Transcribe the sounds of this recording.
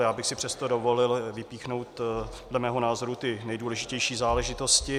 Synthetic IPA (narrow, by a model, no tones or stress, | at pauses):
jaːbɪxsɪpr̝̥ɛst̪odovo̞lɪlvɪpiːxno̞wt̪̚ | dlɛmɛːɦonaːzo̞ɾut̪ɪnɛjduːlɛʒɪcɛjʃiːzaːlɛʒɪt̪oscɪ